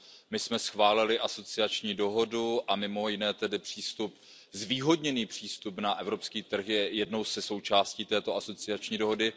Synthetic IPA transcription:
mɪsmɛsxvaːlɪlɪʔaso̞t͡sɪat͡ʃɲiːdo̞ɦo̞duʔamɪmo̞jɪnɛːt̪ɛdɪpr̝̥iːst̪up | zviːɦo̞dɲɛniːpr̝̥iːst̪upnaʔɛvɾo̞pskiːt̪r̩xjɛjɛdno̞wsɛso̞wt͡ʃaːsciːt̪ɛːt̪o̞aso̞t͡sɪat͡ʃɲiːdo̞ɦo̞dɪ

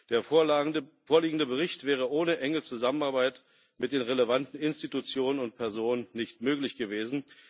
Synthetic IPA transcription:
d̥eːɐ | foːɐliːɡŋ̩dəbəʁ̞ɪçtv̥ɛːʁ̞əʔoːnəʔɛŋət͡suzamənaɐbaɪt | mɪt̚d̥eːnʁeləvantn̩ɪnstitut͡sjoːnənʊnt̚pʰɛɐzoːnənnːɪçtmøːklɪçɡ̥əveːzn̩

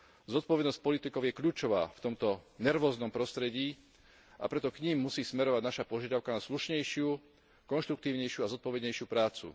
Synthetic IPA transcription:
zɔt̪̚pɔʋɛd̪nɔsc̚pɔlit̪ikɔʊjɛkʎuːt͡ʃɔʋa̰ːft̪ɔmt̪ɔnɛɾʋɔːznɔmpɾɔst̪ɾɛɟiː | a̰pɾɛt̪ɔkɲimːusiːsmɛɾɔʋaɟnaʃapɔʒɪad̪aʊkanasluʃɲɛjʃɪu | kɔnʃt̪ɾukt̪iːʊɲɛjʃjuazɔt̪̚pɔʋɛd̪ɲɛjʃɪupɾaːt͡sṵ

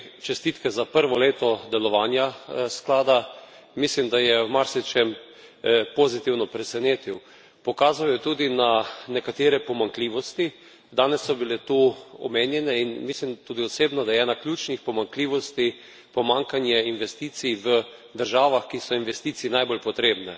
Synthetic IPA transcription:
t͡ʃɛst̪iːt̪kɛzapəɾʋɔleːt̪ɔd̪ɛlɔʋaːnjasklaːd̪a | mislimd̪ajɛwmaɾsit͡ʃɛm | pozit̪iwnɔpɾɛsɛneːt̪iw | pɔkaːzawjɛt̪uːd̪inanɛkat̪eːɾɛpɔmaŋkliːʋɔst̪i | d̪aːnɛsːɔbilɛt̪uɔ̰meːnjɛnɛinmislimt̪uːd̪iɔseːbnɔd̪ajɛnaklʲjuːt͡ʃnixpɔmaŋkliːʋɔst̪i | pɔmãŋkanjɛinʋɛst̪iːt̪siʋə | d̪əɾʒaːʋaxkisɔinʋɛst̪iːt̪siːnajbolpɔt̪ɾeːbnɛ

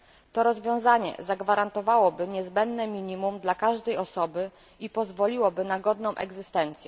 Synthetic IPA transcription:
t̪ɔɾɔzvʲjɔ̃w̃zaɲɛ̰zaɡvaɾant̪ɔvawɔbɘɲɛzbɛnd̪nɛmʲiɲimumd̪lakaʐd̪ɛjɔsɔbɘ | ipɔzvɔlʲiwɔbɘnaɡɔd̪nɔ̃w̃ʔɛ̰ɡzɘst̪ɛnt̪sʲjɛ

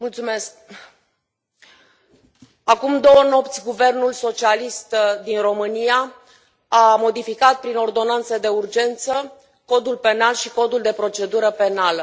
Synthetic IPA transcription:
mult̪sume̞sk̚ | akumd̪o̞wəno̞pt̪sʲɡuve̞rnulso̞t͡ʃialist̪d̪inro̞mɨnija | amo̞d̪ifikat̪̚pɾino̞rd̪o̞nant̪səd̪e̞urd͡ʒe̞nt̪sə | ko̞d̪ulpe̞nalʃiko̞d̪uld̪e̞pɾo̞t͡ʃe̞d̪uɾəpe̞nalə

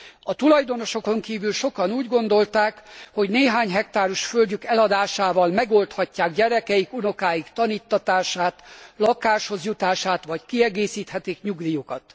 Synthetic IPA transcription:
ɒt̪ulɒjd̪o̞no̞ʃo̞ko̞ŋkiːvylʃo̞kɒnuːɟɡo̞nd̪o̞lt̪aːkho̞ɟneːɦaːɲɦɛkt̪aːɾuʃfølɟykɛlɒd̪aːʃaːvɒlmɛɡo̞lt̪hɒcːaːɡɟɛɾɛkɛjikuno̞kaːjikt̪ɒniːt̪ːɒt̪aːʃaːt̪lɒkaːʃho̞zjut̪aːʃaːt̪ʋɒckiɛɡeːsiːt̪hɛt̪ikɲuɡd̪ijukɒt̪

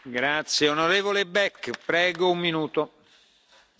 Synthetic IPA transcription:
ɡɾat̪sjeonoɾeːvolebɛkːpɾɛːɡoumːinuːt̪o

